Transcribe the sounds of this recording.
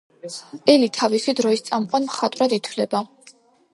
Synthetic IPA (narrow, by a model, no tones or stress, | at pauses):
ɛlit̪ʰavisid̪ɾɔist̪sʼamqʼwanmχat̪ʼɾad̪it̪ʰvlɛba